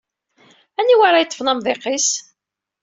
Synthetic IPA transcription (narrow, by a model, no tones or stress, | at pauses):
æniwaɾˤajət̪ˤːə̥fnɑmðˤeqis